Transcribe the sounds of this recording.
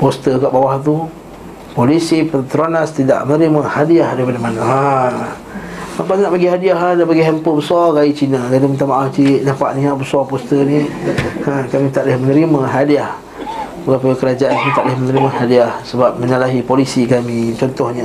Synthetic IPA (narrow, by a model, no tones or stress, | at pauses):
post̪əkaʔbawaht̪̬u | polisipət̪əɾanast̪ida̰ʔmənəɾimahadiahdaipadamanaa | makaninaʔpaɡiɦadiaɦadaʔpaɡiɦɛmpəbəsɔɡait͡ʃinakadumənt̪amaʔaft͡ʃinapa̰ʔniaʔbəsɔpɔst̪əni | əkamĩt̪aʔdahmənəɾimaɦadiah | buɡapaəkəɾad͡ʒaʔankamit̪aʔdahmənəɾimahadiahsəbap̚mənalaɦipolisikamĩt͡ʃɔnt̪ɔhɲa